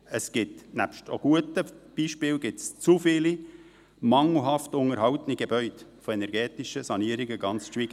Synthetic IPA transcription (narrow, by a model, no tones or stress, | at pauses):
əsɡ̥ɪtnæpʃto̰ɡ̥uətəb̥iːʃpɪːlɡɪtst͡sufɪːli | mɑŋl̩ɦɑftʊŋəɾɦɑwtəniɡ̥ebœʏtfoɛnɛɾɡɛːtɪʃəsɑniəɾiɡəɡ̥ɑnt͡sʃʋiːɡ̥